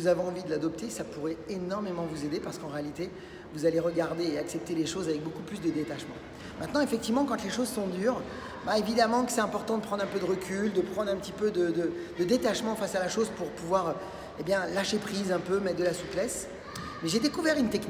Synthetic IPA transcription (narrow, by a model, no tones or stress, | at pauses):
vuzavɔ̃ɑ̃vid̪əlad̪ɔp̚t̪esapuʁɛenɔʁmemɑ̃vuzed̪epaʁsə̥kɑ̃ʁealit̪e | vuzaleʁəɡaʁd̪eːaksɛp̚t̪eleʃozavɛk̚bokuplysd̪əd̪et̪aʃmɑ̰̃ | mɛ̃t̪nɑ̃efɛkt̪ivmɑ̃kɑ̃t̪leʃozsɔ̃d̪yːʁ | baevid̪amɑ̃kə̥sɛt̪ɛ̃pɔʁt̪ɑ̃d̪əpχɑ̃d̪ʁɛ̃pød̪əʁəkʲʰyld̪əpχɑ̃d̪ʁɛ̃pət̪ipød̪əd̪ə | d̪əd̪et̪aʃmɑ̃fasalaʃozpuʁpuvwaʁ | ebjɛ̃laʃepχizɛ̃pømɛt̪̚d̪əlasuplɛs | mɛʒed̪ekuvɛʁynt̪ɛkn